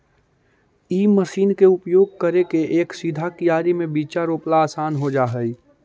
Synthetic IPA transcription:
iːməʃiːnkeʊpjoːɡ̚kəɾekeʔeːksid̪ʱakijaːɾimẽbiːt͡ʃaɾoːplaaːsaːnɦod͡ʒaːɦəi

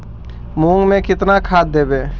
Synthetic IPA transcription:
mũːŋmẽkɪt̪nakʰaːd̪̚ːeːbeː

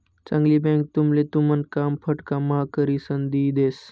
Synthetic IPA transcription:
t͡səŋɡlibɛ̃ŋk̚t̪umlet̪umənkaːmpʰəʈkamakəɾisənd̪iːd̪eːs

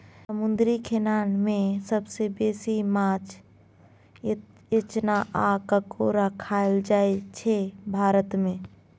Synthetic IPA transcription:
səmund̪ɾikʰenanmẽsəbsebesimat͡ʃ | et͡ʃnaʔakəkoɾəkʰaeld͡ʒaet͡ʃʰebʱaɾət̪mẽ

